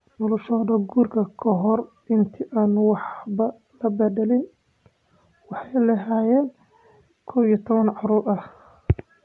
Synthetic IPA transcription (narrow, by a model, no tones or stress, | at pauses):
nɔlʊʃɔðɐɡuːrkʰɐkʰɔɦɔr | ɪnt̪ʰɪʔaːnwɑħbɐ | lɐbɛðɛlɪn | wɑħɑjlɐɦaːjɛːn | kʰɔːwijt̪ʰɔβɐnʕɑɾuːɾɐh